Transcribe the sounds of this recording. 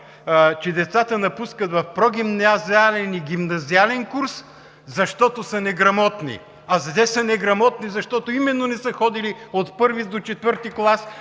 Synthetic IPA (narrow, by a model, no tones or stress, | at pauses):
t͡ʃɛd̪ɛt̪sat̪ənɐpuskət̪vɐfpɾɔɡ̟ʲimnazialɛniɡʲimnɐzialɛnkuɾs | zɐʃt̪ɔt̪osɐnɛɡɾɐmɔt̪nḭ | ɐzɐd̪ɛsɐnɛɡɾɐmɔt̪nizɐʃt̪ɔt̪oimɛd̪ːonɛsəxɔd̪iliot̪pɤɾvid̪ot͡ʃɛt̪vəɾt̪iklˠas